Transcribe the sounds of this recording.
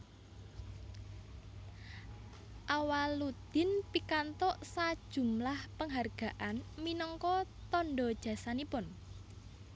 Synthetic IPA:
ʔawalud̪̥ɪ̤npikant̪ɔʔsad̥ʒ̥ṳmlahpəŋɦarɡ̥a̤ʔanminɔŋkɔt̪ɔnɖɔd̥ʒ̥ä̤sanipʊn

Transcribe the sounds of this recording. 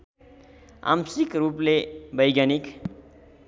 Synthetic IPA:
a̰msikruplebʌjɡjanik

